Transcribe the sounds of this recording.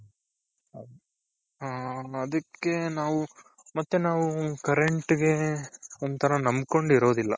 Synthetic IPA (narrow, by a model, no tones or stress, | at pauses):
ɦaːɐd̪ɐkːe̞naːʋu | mɐt̪ːenaːʋukɐɾeɳʈɡe̞ond̪t̪ʰɐɾɐnɐmbko̞ɳɖiɾoːd̪ilːɐ